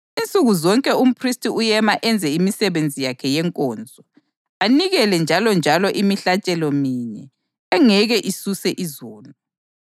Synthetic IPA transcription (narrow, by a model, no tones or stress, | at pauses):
int͡sʼuɣuzɔŋkʼɛum̩pʰristʼiujɛmaʔɛnd͡zʱɛimisɛβend͡zʱijakʰɛjɛŋkʼɔːnd͡zʱɔ | aniɣɛlɛnd͡ʒʱalɔnd͡ʒʱalɔʔimiɬat͡ʃʼɛlɔmiːɲɛ | ɛŋɛɣɛʔisusɛʔizoːlu